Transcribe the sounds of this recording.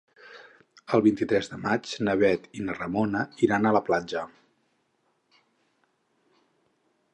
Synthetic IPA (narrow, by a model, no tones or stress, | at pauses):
əlˠβint̪it̪ɾɛzðəmat͡ʃnəβɛt̪inərəmonəiɾanələplanʲd͡ʒə